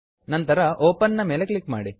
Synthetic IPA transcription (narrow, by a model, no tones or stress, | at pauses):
nɐnt̪ɐɾɐʔoːpɐnːɐmeːleklikːma̰ːɽi